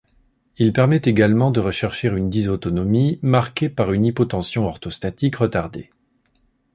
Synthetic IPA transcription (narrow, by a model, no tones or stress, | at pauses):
ilpɛʁmɛt̪eɡalmɑ̃d̪əʁəʃɛʁʃeʁynd̪izot̪ɔnɔmimaʁkʲepaʁynipɔt̪ɑ̃sjɔ̃ɔʁt̪ɔst̪at̪ikʁət̪aʁd̪ḛ